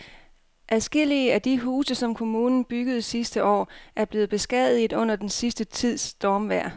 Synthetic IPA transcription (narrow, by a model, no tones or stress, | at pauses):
ʔæðˠsɡ̥e̝l̰iəæd̥iɦuːsəsɒ̽mkʰo̝muːnn̩b̥yɡ̥əð̞̩ˠsisd̥əʔɒ̰ːʔæɐb̥le̝ːð̩ˠb̥e̝sɡ̥ɛð̰ˠiɔ̽n̰ɐd̥ensisd̥ət͡sʰið̞̰ˠsd̥ɒːmʋæɐ̰